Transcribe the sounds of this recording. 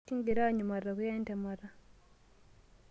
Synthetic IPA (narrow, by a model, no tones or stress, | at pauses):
iŋɡiɾaɲumarːakujeːntamara